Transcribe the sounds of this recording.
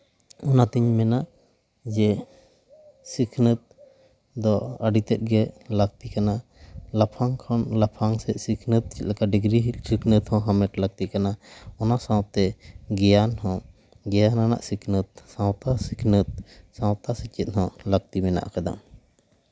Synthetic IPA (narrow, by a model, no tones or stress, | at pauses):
ɔnat̪iɲmɛnaʔ | d͡ʒɛ | sikʰnət̪̚ | d̪ɔaɖit̪ɛt̪̚ɡɛləɡ̚t̪ikanalapʰaŋkʰɔnlapʰaŋsɛsikʰnət̪̚t͡ʃit̪̚lakaɖiɡɾiɦsikʰnət̪hɔ̃ɦamɛʈləɡ̚t̪ikanaɔnasãwt̪ːɛɡɛjanhɔ̃ | ɡɛjanana̰ʔsikʰnət̪̚sãwt̪asikʰnət̪̚sãwt̪asɛt͡ʃit̪̚hɔ̃ləɡ̚t̪imɛna̰ʔkad̪a̰